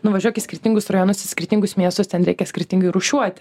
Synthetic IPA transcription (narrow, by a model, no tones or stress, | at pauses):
nʊʋɐʒʲuɔkʲɪsʲkʲɪɾʲt̪ʲiŋɡʊsrɐjoːnʊsɪskʲɪɾʲt̪ʲɪŋɡʊsmʲiɛst̪ʊst̪ʲɛnɾʲɛɪkʲɛsʲkʲɪɾʲt̪ʲɪŋɡɐɪɾʊʃʲuɔt̪ʲ